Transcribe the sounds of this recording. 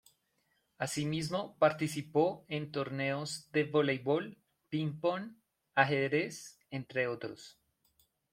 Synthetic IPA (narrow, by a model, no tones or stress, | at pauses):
asimizmo̞paɾt̪isipo̞ent̪o̞ɾne̞ozd̪e̞βolejβol | pimpon | aɦeðɾes | ent̪ɾeot̪ɾo̰s